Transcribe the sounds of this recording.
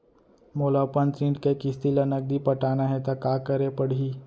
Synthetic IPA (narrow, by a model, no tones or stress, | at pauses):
molapəɳt̪ɾĩɳʈkekist̪ilənək̚d̪ipəʈanaɦet̪akakəɾepəɽɦiː